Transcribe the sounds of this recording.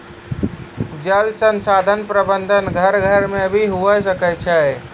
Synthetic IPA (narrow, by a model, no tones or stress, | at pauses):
d͡ʒəlsənsad̪ʱənpɾəbənd̪ʱənɡʱəɾɡʱəɾmebʱiɦuəs̬əkɛt͡ʃʰɛ